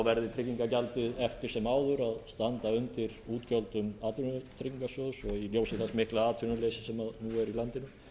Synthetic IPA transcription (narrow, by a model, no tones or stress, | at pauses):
vɛɾðɪt̪ʰɾɪcːiŋkacalt̪ɪðɛft̪ɪ̥sɛmaːwðʏɾaðst̪ant̪aʏnt̪ɪɾuːt̪cœlt̪ʏmaːt̪ʰʏnʏt̪ʰɾɪciŋkasjɔwsɔɣiljoːwsɪθɛsmɪhklaaːt̪ʰʏnʏlejsɪsɛmaðnuɛɾilant̪ɪnʏ